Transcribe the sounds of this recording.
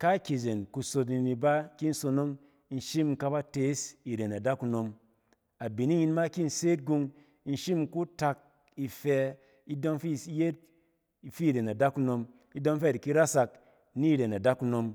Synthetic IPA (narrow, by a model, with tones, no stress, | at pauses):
ka˦kʲi˨ze˨nku˧so˧t̬ni˨ni˨ba˦ki˦n̩˦so˧no˦ŋ˦ | n̩˨ʃi˦m˨ka˦ba˦te˦si˨ɾe˨na˨da˦ku˧no˧m | a˨bi˨ni˦ji˧nma˦ki˦n̩˨seː˦t̚ɡu˧ŋ˦ | n̩˨ʃi˦m˦ku˦ta˧k̚ | i˨fɛ˧ | i˦dɔ˦ŋfi˦˨˦je˦t̚ | fi˦˨ɾe˨na˨da˦ku˧no˧m | i˦dɔ˦ŋ˦fɛ˦˨i˨ki˦ɾa˦sa˧k̚ | ni˦˨ɾe˨na˨da˦ku˧no˧m